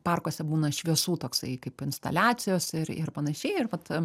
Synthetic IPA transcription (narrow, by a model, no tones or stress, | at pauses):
pɑrkoːsʲɛbuːnɐɪʃʲʋʲiɛsuːt̪oːksɐɪkɐɪpɪnst̪ɐ̰lʲaːt͡ssʲɪjoːsɪɾɪ̰rpɐnɐʃʲɛɪɪrʋɐt̪